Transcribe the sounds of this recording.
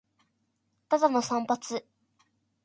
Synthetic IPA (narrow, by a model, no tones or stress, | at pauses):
t̪at̪anosɑŋpat͡sʰyʔ